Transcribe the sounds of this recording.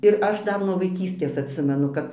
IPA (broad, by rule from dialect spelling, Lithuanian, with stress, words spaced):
ɪr ˈɐʃ ˈdɐr nuɔ ʋɐɪˈkʲiːsʲtʲeːs ɐtʲˈsʲɪmʲɛnʊ ˈkɐp